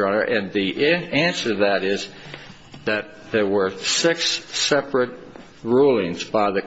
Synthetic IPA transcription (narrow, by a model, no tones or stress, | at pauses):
ʌnə˞ʔɨ̃nðiʔæ̃nsə˞ðɨɾɪz | ðɨt̪̚ðə˞wə˞sɪksːɛpɹɨt̚ | ɹulˠɪ̃ŋzbaɪðɨ